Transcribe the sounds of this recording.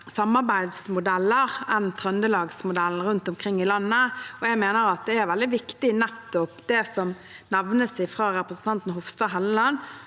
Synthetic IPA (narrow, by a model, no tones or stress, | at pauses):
sɑmːɑʁbæɪd̪smʊd̪ælːəʁɛnt̪ʰɾœnd̪əlɑːɡsmʊd̪æln̩ɾʉnt̪ɔmkʰɾɪŋːɪlɑnːəɔjæɡmeːnəɾɑt̪̚d̪ɛæɾʋɛld̪ɪʋɪkt̪ɪnæt̪ːɔpd̪ɛsɔm | næʋnəsɪfɾɑːɾɛpɾəsn̩t̪ɑnt̪n̩ɦʊfst̪ɑːɦɛllɑn